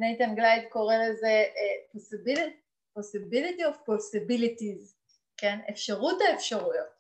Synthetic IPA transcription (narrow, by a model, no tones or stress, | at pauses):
nejt̪anɡlajdko̞ʁelezeposibili | posibilitiofposibilitiz | ke̞nefʃaʁutaefʃaʁujot̚